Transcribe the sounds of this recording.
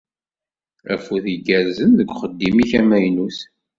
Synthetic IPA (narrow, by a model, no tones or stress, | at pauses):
æ̰fuθiɡæɾzənðəɡʷχəd̪ːimiçæmæjnus